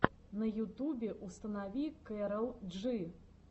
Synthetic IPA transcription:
nɐjut̪ubʲɛʔust̪ɐnavʲikɛɾɐwˠʐɨ

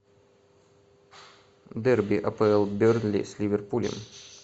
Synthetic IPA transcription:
d̪ɛrbʲiʔɐpəɛlˠbʲørnlʲḭsʲlʲivʲerpulʲɪ̰m

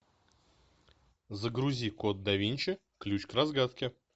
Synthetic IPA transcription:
zəɡɾʊzʲikot̪̚d̪ɐvʲinʲt͡ɕɪ | klʲut͡ɕkrazɡat̪kʲɪ

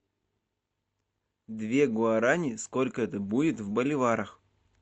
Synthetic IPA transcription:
d̪vʲe̞ɡʊɐɾanʲɪsko̞lʲkəɛt̪əbudʲɪt̪vbəlʲɪvaɾəx

